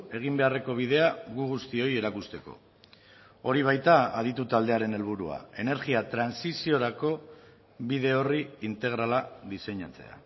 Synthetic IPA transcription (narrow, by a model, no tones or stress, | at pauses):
e̞ɣ̞imbe̞are̞ko̞β̞ið̞e̞aɣuɣust̪io̞je̞ɾakust̪e̞ko̞̰ | o̞ɾiβ̞ajt̪aaðit̪ut̪ald̪e̞aɾe̞ne̞lβ̞uɾua̰e̞ne̞ɾɣiat̪ɾansisio̞ɾako̞ | βiðe̞o̞riint̪e̞ɣ̞ɾalaðise̞ɲat͡se̞̰a̰